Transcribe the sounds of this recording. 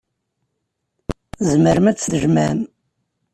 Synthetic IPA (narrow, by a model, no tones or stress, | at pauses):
zməɾmæt͡sːðəʒmæm